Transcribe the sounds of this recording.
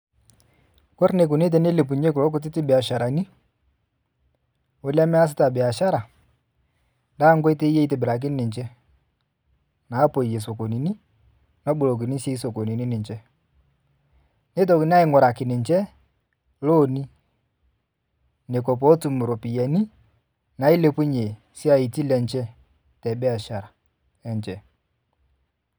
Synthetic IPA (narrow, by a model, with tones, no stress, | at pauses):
kɔ˦ɾne˨k̬ʊ˨ne˦t̬ɛ˨ne˦le˨p̬u˨ɲe˦k̬ʊ˨lɔ˦k̬ʊ˦tɪ˦tɪ˦bɪ˨a˨ʃa˨ɾa˨ni˦ | ʊ˦la˦mɛ˦a˦s̬ɪ˦ta˨bɪ˨a˨ʃa˦ɾa˨ | nda˦ŋɡɔ˦i˦te˦e˦te˨bɪ˨ɾa˨k̬ɪ˦nɪ˨ɲt͡ʃɛ˦ | na˨˦po˨je˨so˨ko˨ni˨ni˦ | nɔ˦ɓu˨lo˨k̬i˨ni˦se˦i˦so˨ko˨ni˨ni˦nɪ˨ɲt͡ʃɛ˦ | ne˦t̬ɔ˨kɪ˨n˦a˦ɪ˦ŋwɔ˨ɾa˨kɪ˨nɪ˨ɲt͡ʃɛ˦ | lo˦˨ni˦ | ne˨kɔ˨p̬ɔ˨˦tu˨mu˨ɾo˨pi˨jɛ˨ni˦ | na˨i˦le˦pu˦ɲe˨ | si˦a˦˨i˨ti˦lɛ˨nt͡ʃɛ˦ | tɛ˨bɛ˦a˨ʃa˨ɾa˨ | ɛ˨ɲt͡ʃɛ˦